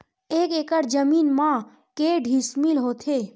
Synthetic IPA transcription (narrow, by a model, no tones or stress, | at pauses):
eːkeːkəɾd͡ʒəmiːnmã | keɖʱismilɦot̪ʰe